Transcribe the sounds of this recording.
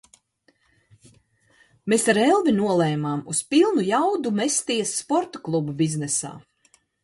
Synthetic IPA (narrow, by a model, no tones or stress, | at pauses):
mesaɾɛlˠvinuɔlˠɛːmaːmuspilˠnujawd̪umest̪iɛsːpɔɾt̪ɔklˠububiznɛsa̰ː